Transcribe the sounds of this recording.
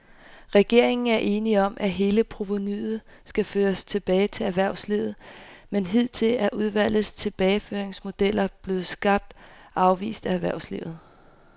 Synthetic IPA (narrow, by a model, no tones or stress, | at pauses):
ʁɛɡ̥e̝ɐ̰e̝ŋn̩æɐʔe̝ːniɒ̽mʔæɦe̝ːləpʰʁo̝ʋo̝nyðð̩ˠ | sɡ̥æføːɐst͡sʰe̝b̥ɛːɪt͡sʰe̝læʋæɐʊsliʊð̩ˠmenɦið̞̰ˠt͡sʰe̝læɐʔuð̞ˠʋæl̰ð̩ˠst͡sʰe̝b̥ɛːɪføːɐeŋsmo̝d̥el̰ɐb̥le̝ːð̩ˠsɡ̥ɑ̈b̥̚d̥ | ʔɑ̈ʊʋḭːsd̥ææʋæɐʊ̰slḭʊð̩ˠ